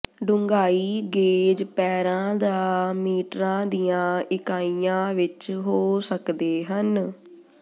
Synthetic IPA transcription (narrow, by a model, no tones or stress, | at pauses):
ɖʊŋɡaːiːɡeːd͡ʒpɛːɾãːd̪aːmiːʈɾãːd̪ijãːɪkaːijãːʋɪt͡ʃɦoːsəkd̪eːɦən